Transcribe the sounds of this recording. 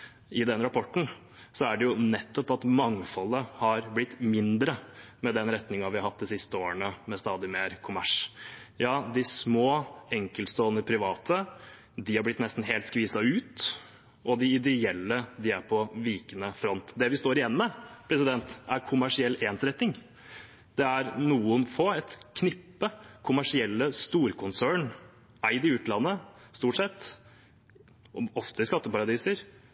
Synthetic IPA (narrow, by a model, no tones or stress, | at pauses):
ɪd̪ɛnɾɑpʰɔʈːɳ̩ | sɔæɖɛjʊnɛt̪ːɔpɑt̪mɑŋːfɔlːəhɑɾblɪt̪ːmɪnd̪ɾəmɛd̪ɛnɾɛt̪nɪŋɑʋɪhɑhɑt̪̚ːd̪ɪsɪst̪əoːɾəɳəmɛst̪ɑːd̪ɪmeːɾkʰʊmæʂjɑːd̪ɪsmoːɛŋkəlst̪oːnəɾpʰɾɪʋɑːt̪ʰə | d̪ɪhɑɾblɪt̪nɛst̪n̩ɦeːlt̪skʋiːsɑʉːt̪ | ɔd̪ɪɪd̪ɛɛlːəd̪ɪæɾpʰɔʋiːkənəfɾɔnt̪d̪ɛʋɪst̪oːɾɪjɛnːmɛpʰɾɛsɪd̪ɛnt̪æɾkʰʊmæʂɪɛlːeːnsɾɛt̪nɪŋ | d̪ɛæɾnuːənfɔɛt̪kʰnɪpːəkʰʊmæʂɪɛlːəst̪uːɾkʰʊnsæːɳ | æɪd̪ɪʉːt̪lɑnːəst̪uːʈsɛt̪ː | ɔɔft̪ʰəɪskɑt̪ːəpɑɾɑd̪iːsəɾ